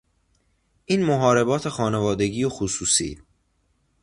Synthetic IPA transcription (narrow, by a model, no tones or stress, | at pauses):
ʔiːnmoɦɒːɾe̞bɒːt̪ʰe̞xɒːne̞vɒːd̪e̞ɟiːoxusuːsḭː